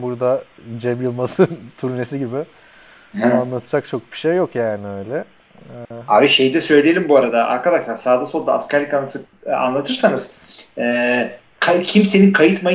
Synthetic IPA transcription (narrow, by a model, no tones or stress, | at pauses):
buɾd̪ad͡ʒemɯlˠmasɯnt̪ʰuɾnesiɟibɪ | anlˠat̪ʰɯd͡ʒak̚t͡ʃʰo̞k̚bi̥ʃejːo̞kjaːnɪøjlʲɛ | aːbiʃe̞jid̪ɛsø̞jlʲijelʲimbuaɾad̪aʔa̰ɾkʰad̪aʃlˠaɾsaːd̪aso̞lˠd̪a̰a̰scaɾlʲikanasɯ | a̰nlˠat̪ʰɯɾsanɯz̥ɛː | kʰacʰimse̞nikʰajɯt̪maj